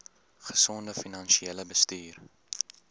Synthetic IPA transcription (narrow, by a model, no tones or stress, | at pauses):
χə̥sɔndəfinɐnʃieləbəstyːr